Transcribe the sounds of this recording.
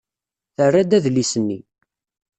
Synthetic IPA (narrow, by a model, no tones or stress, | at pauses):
θərːæd̪æðlisənːi